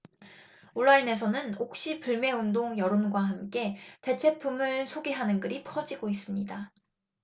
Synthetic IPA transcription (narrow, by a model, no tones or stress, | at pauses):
oɭːaine̞s̬ʰʌnɯnok̚ɕ͈ipuɭme̞undoŋjʌɾonɡwaɦamk͈e̞te̞t͡ɕʰe̞pʰumɯɭsʰoɡeɦanɯnɡɯɾipʰʌd͡ʑiɡois͈ɯmɲida